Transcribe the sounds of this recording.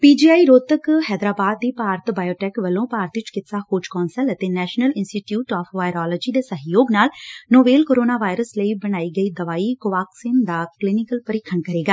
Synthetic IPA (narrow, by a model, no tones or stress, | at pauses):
piːd͡ʒiːaːiɾoːt̪əkhɛːd̪ɾaːbaːd̪ːiːpaːɾət̪baːjoːʈɛːkʋəlːõːpaːɾt̪ʋɪt͡ʃkɪt̪saːhoːd͡ʒkɔːnsələt̪eːnɛːʃnəlɪnsʈiːʈjuːʈɔːpʰʋaːɪɾɔːlɔːd͡ʒiːd̪eːsəɦjoːɡnaːlnoːbeːlkoːɾoːnaːʋaːɪɾəsləiːbəɽ̃aːiːɡəiːd̪əʋaːiːkoʋaːksɪnd̪aːklɪnɪkəlpəɾɪkʰːənkəɾeːɡaː